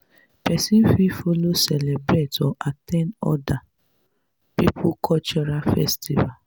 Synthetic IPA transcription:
pɛsĩfifolosɛlebɾetɔʔatɛ̃nɔ̰da | pipʰukʰɔt͡ʃɔɾafɛ̰stiva

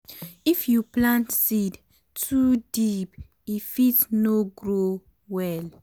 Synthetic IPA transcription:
ifjuplãntsid | tʰudip | ifitnoɡɹo | wɛl

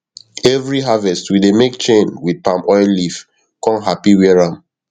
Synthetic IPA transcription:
ɛvɹiɦavɛstwidemek̚t͡ʃẽnwid̚pãmɔɪllif | kɔ̃nɦapiwiɹãm

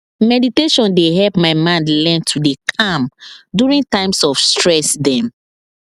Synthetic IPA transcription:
mɛditeʃɔ̃ndeɦɛlpmaɪmãndlɛ̃ntʰːudekʰãmdjuɹĩŋtãɪ̃msɔfstɹɛsdɛ̃m

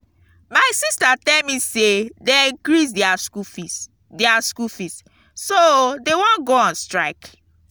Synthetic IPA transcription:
maɪsistatɛlmisedɛ̃kɹisdiaskufi | diaskufist | sodewɔ̃nɡoãnstɹaɪk

